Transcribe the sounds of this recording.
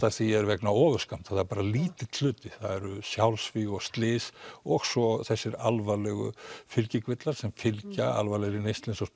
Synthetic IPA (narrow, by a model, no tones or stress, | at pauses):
aθiɛɾvɛknaɔːðʏ̥skam̥t̪θaθaɾpaːɾaliːt̪ɪ̥t̪ʰl̥ʏːt̪ɪθaðɛɾʏsjawlsfiɣɔɣst̪lɪːsɔɣsɔθɛsːɪɾa̰lvalɛɣʏ̰fɪlcɪkvɪt̪laɾ̥sɛmfɪlcaa̰lvalɛɣɾɪnejst̪lɪnsɔs